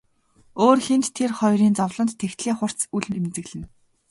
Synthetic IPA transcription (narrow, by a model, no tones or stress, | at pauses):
oːrxent̪ʰːerχɔjɾiːnt͡sɔwɮɞ̆nt̪ʰːext̪ɮiːχʊr̥t͡suɮmemt͡sɘ̆ɣɮɘ̆n